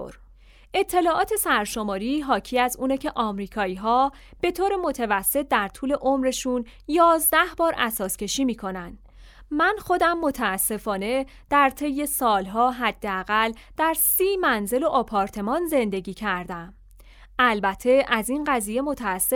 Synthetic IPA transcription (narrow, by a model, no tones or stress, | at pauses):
ʔe̞t̪ʰːe̞lɒːʔɒːt̪ʰe̞sæɾʃo̞mɒːɾiːɦɒːcʰiæzuːnecʰe̞ʔɒːmɾiːkʰɒːiːɦɒː | b̥e̞t̪ʰoːɾe̞mo̞t̪ʰævæsːe̞t̪̚d̪æɾt̪ʰuːle̞ʔomɾe̞ʃuːn | jɒːzd̪æhbɒːɾʔæ̰sɒːscʰe̞ʃiːmiːkʰo̞nænd̪̥ | mænxo̞d̪æmːo̞t̪ʰæːsːe̞fɒːne̞ | d̪̥æɾt̪ʰe̞jːe̞sɒːlɦɒːɦæd̪̥ːeæɣæld̪̥æɾsiːmænze̞lo̞ʔɒpʰɒːɾt̪ʰe̞mɒːnze̞nd̪e̞ɟiːcʰæɾd̪æm | ælbæt̪ʰːe̞ʔæzinɢæziːje̞mo̞t̪ʰæːsː